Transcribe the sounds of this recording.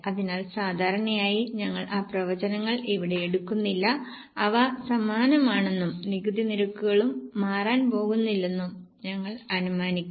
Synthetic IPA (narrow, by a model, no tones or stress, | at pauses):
ɐðinaːlsaːd̪ʱaːɾɐɳɐjaːjiɲɐŋːɐɭʔaːprɐʋɐd͡ʑɐnɐŋːɐɭeʋiɽe̞eɽukːunːilːɐː | ʋɐsɐmaːnɐmaːɳe̞nːumniɣud̪iniɾɐkːuɣɐɭumːaːraːnpo̞ːɣunːilːe̞nːum | ɲɐŋːɐɭɐnumaːnikʲː